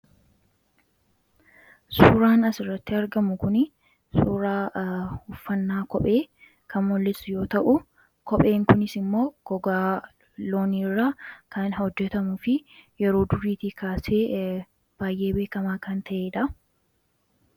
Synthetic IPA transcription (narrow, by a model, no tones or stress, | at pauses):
suːɾaːnɐsɪrːɐt̪ːɪɐɾɡɐmʊkʊnɪ | suːɾaːhʊfːɐnːaːkɔpʼe̞ː | kɐnwɔlːɪsjo̞ːt̪ɐʔʊ | kɔpʼe̞ːŋkʊnɪsɪmːo̞ːɡ̥ɔɡaː | loːniːrːakɐnɦɔd͡ʒːɛt̪ɐmʊfɪjɛɾo̞ːd̪ʊɾiːt̪ikaːseː | b̥aːjʔe̞ːbe̞ːkɐmaːkɐnt̪ʰɐʔeːᶑɐ